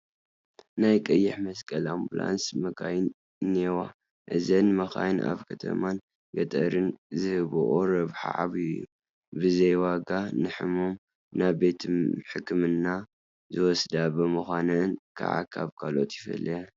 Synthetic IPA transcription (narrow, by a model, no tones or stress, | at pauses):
najkʼɐjːɪħmɐskʼɐlambula̰nsmɐɡajn | newa | ʔɨzɐnmɐxajna̰βkʰɐt̪ʰɐ̰man | ɡɐt̪ʼɐɾɨnzɨhɨβʔoɾɐβħa̰ʕaβijːṵ | bɨzɐjwaɡanɨħɨmo̞m | naβbe̞t̪ʰɨmħɨkʰːɨmɨnːa | zɨwɔsd̪abɨmɨxʷanɨnkʰa̰ʕa̰kʰa̰βkʰalot̪jɪfɐ̰lːɐja